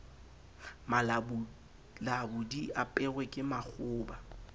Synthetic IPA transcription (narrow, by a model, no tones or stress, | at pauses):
mal | labʊdiapʼɛɣwɛkʼɪmak͡xʊːba